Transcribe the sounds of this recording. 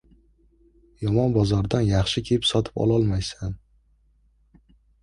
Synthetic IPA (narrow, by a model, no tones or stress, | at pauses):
jɒmɒnbɒzɒɾd̪anjaχʃɪkʲʰeɪpsɒt̪ʰɪ̥pɒ̰lˠɒlˠmajsan